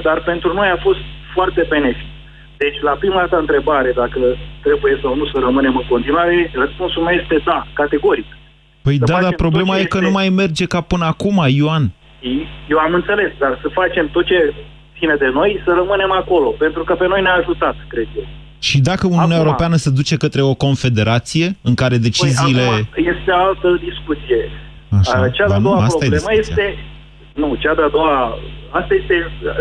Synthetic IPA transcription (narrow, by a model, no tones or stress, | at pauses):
d̪arpe̞nt̪ɾuno̞jafo̞st̪̚foʊart̪e̞be̞ne̞fi̥t̪ | d̪e̞t͡ʃʲlapɾimad̪at̪əɨnt̪ɾe̞baɾe̞d̪akət̪ɾe̞buje̞sawnusəɾəmɨne̞mɨŋko̞nt̪inuaɾe̞rəspunsulmewjest̪e̞d̪akat̪e̞ɡo̞ɾik | pəjəat̪aempɾo̞ble̞majekənumajme̞rd͡ʒe̞kapɨnəakumajoan | ijewamɨnt̪se̞le̞sd̪arsəfat͡ʃe̞mt̪ot̪̚t͡ʃe̞t̪sined̪e̞no̞jsəɾəmɨne̞mako̞lo̞pe̞nt̪ɾukəpe̞no̞jneːʒut̪at̪kɾe̞d̪jew | ʃid̪akəuniunjaewoɾo̞peanəsed̪ut͡ʃe̞kət̪ɾe̞o̞ko̞nfe̞d̪e̞ɾʔat̪sije̞ɨŋkaɾe̞d̪e̞t͡ʃiziːle̞je̞st̪eoalt̪əd̪iskut̪sije̞ | aʃat͡ʃad̪ead̪oaaɾoajedlieməje̞ḭt̪e̞ | nut͡ʃad̪ead̪o̞waast̪aje̞st̪e̞